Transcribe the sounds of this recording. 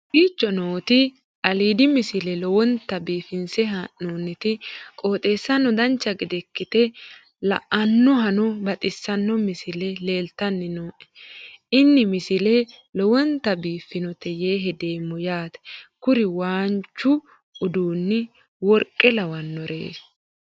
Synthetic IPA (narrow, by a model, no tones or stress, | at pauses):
ɡiːt͡ʃːɔnoːt̪ɪ | ʔɐliːd̪ɪmɪsɪlɛlɔwɔnt̪ɐbiːfɪnsɛɦɐnoːnːɪt̪ɪkʼo̞ːt̪ʼe̞ːsːɐnːɔd̪ɐnt͡ʃːɐɡɪd̪ɛkːɪt̪ɛ | lɐ̰ʔɐnːɔɦɐnɔbɐt̪ʼɪsːɐnːɔmɪsɪlɛleːlt̪ɐnːɪnoːʔɛ̥ɪnːɪmɪsɪlɛ | lɔwɔnt̪ɐbiːfːɪnɔt̪ɛjeːɦɛd̪e̞ːmːɔjaːt̪ɛ̥kʊɾɪwaːnt͡ʃːʊ | ʊd̪uːnːɪ | wɔɾkʼːɛlɐwɐnːɔɾḛːs